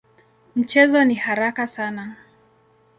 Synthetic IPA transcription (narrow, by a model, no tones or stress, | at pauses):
m̩t͡ʃɛzɔnihaɾakasana